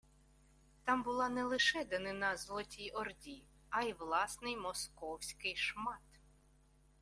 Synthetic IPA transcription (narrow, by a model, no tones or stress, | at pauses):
t̪ɑmbʊlˠɑnɛlˠɪʃɛd̪ɛnɪnɑzlˠɔtʲijɔrdʲi | ɐjʋlˠɑsnɪjmɔskɔwsʲkɪjʃmɑt̪